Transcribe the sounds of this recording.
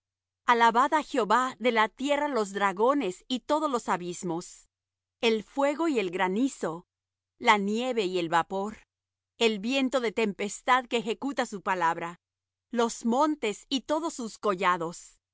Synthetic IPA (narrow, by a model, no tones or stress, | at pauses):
alaβaðaxjeoβaðe̞lat̪je̞ralo̞zðɾaɣo̞ne̞sit̪o̞ðo̞zlo̞saβizmo̞s | e̞lfwe̞ɣo̞ie̞lɣɾaniso̞ | lanje̞βe̞ie̞lβapo̞ɾ | e̞lβje̞nt̪o̞ðe̞t̪e̞mpe̞st̪aðkeːxe̞kut̪asupalaβɾa | lo̞zmõ̞nt̪e̞sit̪o̞ðo̞sːusko̞ʝaðo̞s